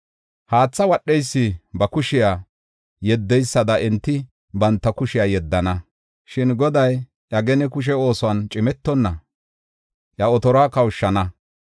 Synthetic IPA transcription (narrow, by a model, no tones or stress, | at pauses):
haːt͡sːɐwɐɗːɛjsːɪbɐkʊʃɪjaː | jɛd̪ːɛjsːɐd̪ɐɛnt̪ːɪ | bɐnt̪ːɐkʊʃɪjaːjɛd̪ːɐnɐ | ʃɪnɡɔd̪ɐj | ʔɐɡɛnɛkʊʃ̬ɛo̞ːsɔɐnt͡ʃʼɪmɛt̪ːɔnːɐ | ʔjɐɔt̪ɔɾaːkɐwʊʃːɐnɐ